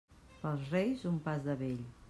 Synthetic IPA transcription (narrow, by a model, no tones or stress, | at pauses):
pəlˠzrejzumpazðəβeʎ